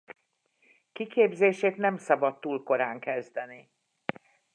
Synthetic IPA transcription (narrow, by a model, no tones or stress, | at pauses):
kikeːbzeːʃeːt̪nɛmsɒbɒt̪ːuːlko̞ɾaːŋkɛzd̪ɛni